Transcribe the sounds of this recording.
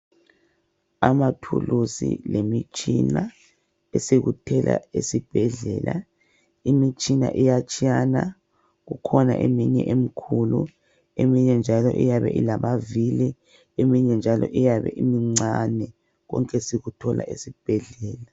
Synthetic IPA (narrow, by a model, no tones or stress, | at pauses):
amatʰulusḭlemit͡ʃʼina | esiɣutʰɛlʔa̰esib̥ʱɛɮɛːla | imit͡ʃʼina̰ʔijat͡ʃʼiana | ɣukʰɔnaʔemiɲɛʔem̩kʰulu | emiɲɛnd͡ʒʱalɔʔijaβɛʔilaβavili | emiɲɛnd͡ʒʱalɔʔijaβɛ̰ʔimiŋ͡ǀanɛ | ɣɔŋkʼɛsiɣutʰɔla̰ʔesib̥ʱɛɮɛːla